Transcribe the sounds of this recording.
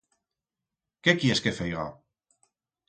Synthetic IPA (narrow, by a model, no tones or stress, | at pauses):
kekjeskefejɣa̰